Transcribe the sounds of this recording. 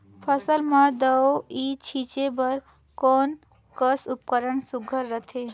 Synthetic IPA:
pʰəsəlmãd̪əwit͡ʃʰit͡ʃebəɾ | kon | kəsup̚kəɾəɳsʊɡʱəɾːət̪ʰe

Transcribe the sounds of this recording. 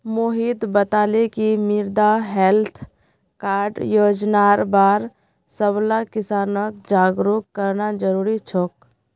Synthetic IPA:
moɦid̪bət̪aːlekimɪɾd̪aɦɛlt̪ʰ | kaːɾɖjoːd͡ʒnaːɾbaːɾ | səblakɪsaːnək̚d͡ʒaːɡɾukːəɾnad͡ʒəɾuːɾit͡ʃʰoːk

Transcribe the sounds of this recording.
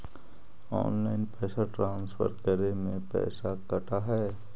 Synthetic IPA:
ɔ̰ːnlaːɪnpɛːsaʈɾãːnsfʰə̰ɾkəɾemẽpɛ̰ːsakɐʈaɦɛː

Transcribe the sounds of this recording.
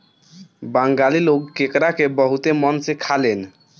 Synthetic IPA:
baŋɡaliloɡkekɾakebəɦut̪emɔnsekʰalen

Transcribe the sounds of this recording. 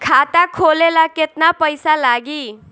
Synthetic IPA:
kʰat̪akʰolelaket̪napəjsalaɡiː

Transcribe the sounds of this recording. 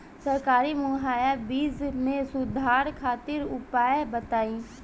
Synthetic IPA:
səɾkaːɾimʊɦaːjabiːznẽsʊd̪ʱaːɾkʰaːt̪ɪɾʊpaːjebət̪aːĩː

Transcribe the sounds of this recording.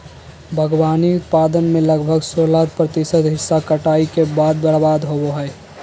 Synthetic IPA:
bʱəɡwaːniʊt̪̚paːd̪ənmẽləɡbʱəɡsoːlaːd̪pɾət̪ɪsət̪ɦɪsːakəʈaːikebaːd̪̚bəɽbaːd̪ɦoboɦɛː

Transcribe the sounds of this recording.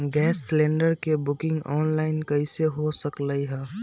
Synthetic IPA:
ɡɛːsːlɛ̃ːɳɖəɾkebʊkɪ̃ŋɡɔːnlaːɪnkəɪseɦosəkləiɦɛː

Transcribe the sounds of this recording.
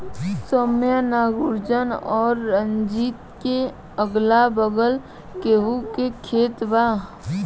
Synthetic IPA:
somjanaːɡʊɾd͡ʒənɔːɾːənd͡ʒiːt̪ke | əɡlabəɡəl | keɦukekʰeːt̪ba

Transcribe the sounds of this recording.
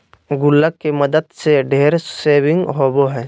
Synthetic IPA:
ɡʊlːəkːemɐd̪əd̪seɖʱeːɾseːʋɪ̃ŋɡɦoːboɦɛː

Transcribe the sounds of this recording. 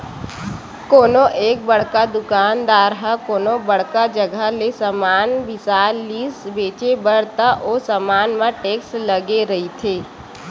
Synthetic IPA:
koːnoʔeːk̚bɐɽ̤kad̪ʊkaːnd̪aːɾɦəkoːnobəɽ̤kad͡ʒəɡʱəlesamaːnʋɪsaːlːiːsbeːt͡ʃebəɽt̪aʔoːsamaːnmãʈeːksləɡeɾɐɦit̪ʰeː

